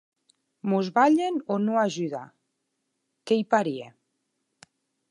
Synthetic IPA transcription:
muzβaʎenonoaʒyða̰ | kejpaɾie

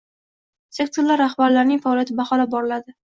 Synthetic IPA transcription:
se̞k̚t̪ʰoɾlaɾːaχbaɾlaɾnɪŋʲfaɒːlˠjat̪ʰɪbaχɒlabɒɾɪlad̪ɪ

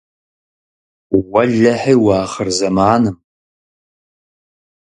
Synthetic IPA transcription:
wɐɮɐħiːwɑːχərzɐmaːnɨm

